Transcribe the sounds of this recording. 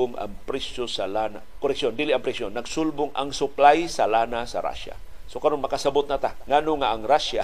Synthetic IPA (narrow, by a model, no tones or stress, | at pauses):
ʊŋa̰ŋpɾɪsosalanakoɾɛksond̪ilɪʔaŋpɾɪsjonːaɡsʊlbʊŋʔa̰ŋsʊplajsalanasa̰ɾa̰ʃa̰sokaɾonmɐkasabʊt̪̚nat̪aŋanoŋːaʔːŋɾaʃa